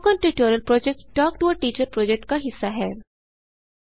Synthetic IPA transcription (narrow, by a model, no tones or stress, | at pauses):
kɔ̃nʈɾiʈoːɾəlpɾɔːd͡ʒek̚ʈʈɔːk̚ʈuəʈiːt͡ʃəɾpɾɔːd͡ʒek̚ʈ̚kaɦɪsːaɦɛː